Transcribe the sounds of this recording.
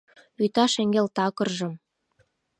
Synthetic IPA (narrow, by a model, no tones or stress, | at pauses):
yt̪ɑʃeŋɡelt̪ɑkɤ̆rʒɤ̆m